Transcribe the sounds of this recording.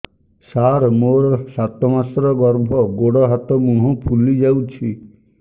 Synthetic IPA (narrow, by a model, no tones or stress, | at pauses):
saɾmoɾɔsat̪ɔmasɾɔɡɔɾbʱɔɡoɽɔɦat̪ɔmũɦɔ̃pʰulid͡ʒawt͡ʃʰi